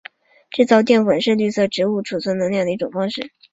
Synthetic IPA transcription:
ʈ͡ʂɻ̩˥˧t͡sɑ˥˧ʊt̪jɛ˥˩nwə˨˩nʂɻ̩˥˧ly˥˧sɤ˥˩ʈ͡ʂɻ̩˧˥u˥˩ʈ͡ʂʰu˨˩t͡sʰwə˧˥n˧˥ljŋd̪ə˩˧i˧˥ʈ͡ʂʊ˨˩ŋfɑ˥ŋʂɻ̩˥˩

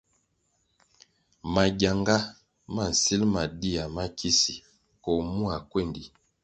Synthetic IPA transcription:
ma˨ɡja˨ŋɡa˦ | ma˦˨n̩˨si˦lma˨di˦a˨ma˦kʰi˦si˨ | kɔ˨mu˦a˨kwe˦˨ndi˨

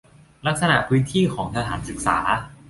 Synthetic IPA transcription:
la˦˥k̚sa˧na˨˩ʔpʰɯː˦˥nt̪ʰiː˥˩kʰɔː˩˦ŋt̪ʰa˧t̪ʰaː˩˦nsɯ˨˩k̚sa̰ː˩˦

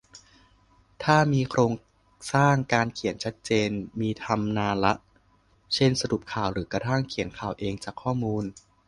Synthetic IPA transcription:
t̪ʰaː˥˩miː˧kʰɾoː˧ŋ | saː˥˩ŋkaː˧nkʰi˩˦ənt͡ɕʰa˦˥t̪̚t͡ɕeː˧nmiː˧t̪ʰa˧mnaː˧la˦˥ʔ | t͡ɕʰe˥˩nsa˧ɾu˨˩p̚kʰaː˨˩wɾɯː˩˦kɾa˧t̪ʰa˥˩ŋkʰi˨˩˦ənkʰaː˨˩wʔeː˧ŋt͡ɕaː˨˩kʰːɔː˥˩muː˧n

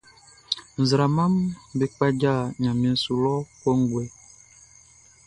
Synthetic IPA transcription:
n̩˨zɾa˨ma˦mbe˨k͡pa˦d͡ʒa˦˨ɲa˨mi˨n̩˨su˨lɔ˦kɔ˦ŋ˦ɡwɛ˨

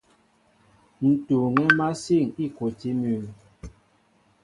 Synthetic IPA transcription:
n̩˨tu˨ŋɛ˦ma˦si˦˨ŋi˦˨ko˨ti˦mʉ˨l

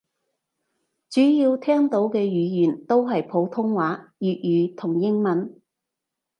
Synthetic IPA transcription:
t͡syː˨˥jiː˧wt̪ʰɛː˥ŋt̪o˨˥wkɛː˧jyː˨˧jyː˨˩nt̪o˥wɦɐ˨jpʰo˨˥wt̪ʰʊ˥ŋwaː˨˥jyː˨t̚jyː˨˧t̪ʰʊ˨˩ŋjɪ˥ŋmɐ˨˥n

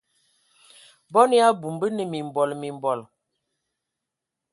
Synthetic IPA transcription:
bɔ˦n˦a˦bu˨mbə˦nə˨mi˨m˨bɔ˨lmi˨mbɔ˨l

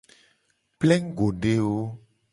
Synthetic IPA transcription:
plɛ˦ŋ˦ɡo˨ɖe˨wo˦

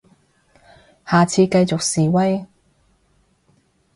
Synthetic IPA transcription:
haː˨˩t͡sʰiː˧kɐ˧jt͡so˨k̚siː˨wɐ˥j

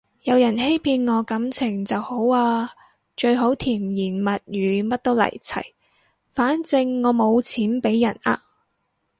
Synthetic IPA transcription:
jɐ˨˧wjɐ˨˩nhe˥jpʰiː˧nŋɔː˨˧kɐ˨˥mt͡sʰɪ˨˩ŋt͡sɐ˨who˨˥waː˧ | t͡ʃɵ˧ɥɦo˨˥wt̪ʰiː˨˩mjiː˨˩nmɐ˨t̚jyː˨˧mɐ˥t̚t̪o˥wlɐ̰˨˩jt͡sʰɐ̰˨˩j | faː˨˥nt͡sɪ˧ŋːɔː˨˧mo˨˧wt͡sʰiː˨˥npe˨˥jːɐ˨˩na̰ː˧

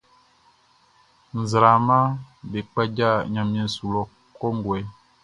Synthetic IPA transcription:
n̩˨zɾa˨ma˦be˨k͡pɛ˦d͡ʒa˦˨ɲã˨m˦i˦n̩˨su˨lɔ˦ | kɔ˦ŋ˦ɡwɛ˨˦

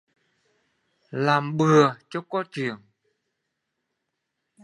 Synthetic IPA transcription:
laː˨˩mɓɨ˨˩ət͡ɕɔ˧˥kɔ˧˦˥t͡ɕɨ˨˩əŋ

